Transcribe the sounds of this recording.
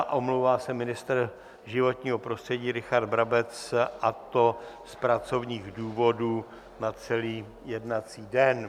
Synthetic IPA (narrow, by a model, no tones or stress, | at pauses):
ʔomlowvaːsɛmɪnɪst̪r | ʒɪvo̞t̪ɲiːɦo̞pɾost̪r̥ɛɟiːɾɪxaɾd̪̚bɾabɛt͡sʔat̪o̞spɾat͡so̞vɲiːɣduːvo̞duː | nat͡sɛliː | jɛdnat͡siːdɛn